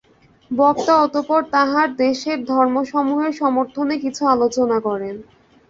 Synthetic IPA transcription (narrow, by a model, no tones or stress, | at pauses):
bɔkt̪aɔt̪opɔɾt̪aɦaɾd̪eʃeɾd̪ʱɔɾmoʃɔmuɦeɾʃɔmoɾt̪ʰonekit͡ɕʰualot͡ɕonakɔɾen